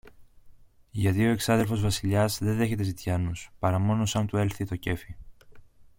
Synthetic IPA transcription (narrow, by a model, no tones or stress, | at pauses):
ʝɐðio̞e̞ksɐðe̞lfo̞zvɐsiʎɐzðe̞ðe̞çe̞t̪e̞zit̪çɐnuspɐɾɐmo̞no̞sɐnt̪ue̞lθit̪o̞ce̞fi